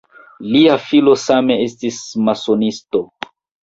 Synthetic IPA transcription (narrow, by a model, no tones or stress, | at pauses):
liafilo̞same̞estismasonisto̞